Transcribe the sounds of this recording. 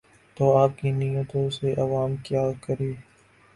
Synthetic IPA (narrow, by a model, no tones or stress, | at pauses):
t̪oːaːp̚kiːnijət̪õseʔɐʋaːmkjaːkəɾiː